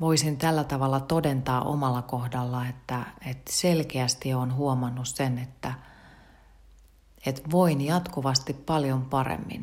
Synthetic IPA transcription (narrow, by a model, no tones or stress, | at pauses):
ʋoisint̪ælːæt̪ɑʋɑlːɑt̪odent̪ɑːʔo̰mɑlːɑkohdɑlːɑet̪ːæet̪selkeæst̪ionɦuomɑnːussenet̪ːæ | et̪ʋoinjɑt̪kuʋɑst̪ippɑljompɑrḛmːḭn